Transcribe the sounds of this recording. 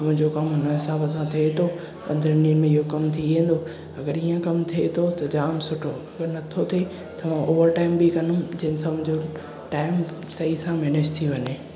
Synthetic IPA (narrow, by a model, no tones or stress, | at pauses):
mʊ̃ɦɪ̃ɲd͡ʑokɐmɦʊnəɦɪsaːbəs̬ãt̪ʰiet̪ʰo | pɐ̃nd̪əɾniənmẽɪɦokɐmt̪ʰiʋẽːn̆d̪o | ɐɡəɾiːə̃kɐmt̪ʰiet̪ʰot̪ɐd͡ʑaːnsʊʈʰoɐɡəɾnɐt̪ʰot̪ʰe | t̪ɐʋ̤ãʔoːʋəɾʈaːɪmbikɐnũd͡ʑɐɦɪnɪsãmʊ̃ɦɪ̃ɲd͡ʑo | ʈaːɪm | sɐisãmɛːnɪd͡ʑt̪ʰiʋɐɲe